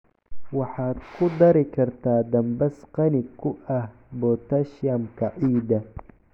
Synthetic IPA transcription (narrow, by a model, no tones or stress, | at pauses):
wɑħaːd̪kʰʊd̪ɐɾɪkʰɐɾt̪ʰaːd̪ɐmbɐsqɑnɪkʰːʊʔɐh | bɔt̪ɐʃjɐmkʰɐʕiːd̪ɐ